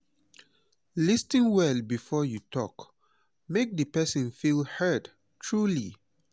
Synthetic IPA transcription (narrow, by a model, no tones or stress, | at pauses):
listĩŋwɛlbifɔjutʰɔk | mek̚dəpɛsə̃nfilhad | tʰɹulḭ